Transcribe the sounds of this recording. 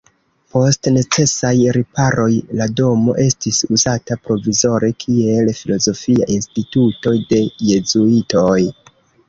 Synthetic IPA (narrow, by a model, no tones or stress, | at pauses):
po̞stne̞t͡se̞sajɾipaɾo̞jlado̞mo̞̰ʔe̞stisuzatapɾo̞vizo̞ɾe̞kʰie̞lfilo̞zo̞fia̰ʔinstituto̞jde̞je̞zuito̞j